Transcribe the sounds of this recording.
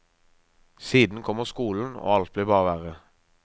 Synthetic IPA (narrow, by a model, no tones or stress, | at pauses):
siːd̪n̩kʰɔməʁskuːln̩o̰ːɑlt̪̚bliːʁbɑːʋæːʁə